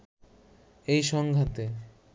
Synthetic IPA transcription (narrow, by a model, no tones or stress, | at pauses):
ejʃɔŋɡʱat̪e